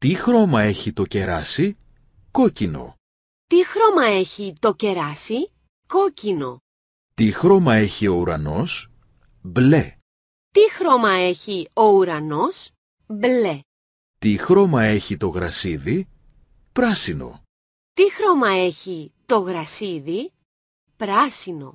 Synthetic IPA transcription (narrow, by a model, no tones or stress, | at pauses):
t̪ixɾo̞mɐe̞çit̪oce̞ɾɐsi | ko̞cino̞̰ | t̪ixɾo̞mɐe̞çit̪o̞ce̞ɾɐsi | ko̞cino̞̰ | t̪ixɾo̞mɐe̞çio̞uɾɐ̰no̞s | ble | t̪ixɾo̞mɐe̞çio̞uɾɐno̞s | ble | t̪ixɾo̞mɐe̞çit̪o̞ɣɾɐsiði | pɾɐsino̞̰ | t̪ixɾo̞mɐe̞çit̪o̞ɣɾɐsiði | pɾɐsino̞̰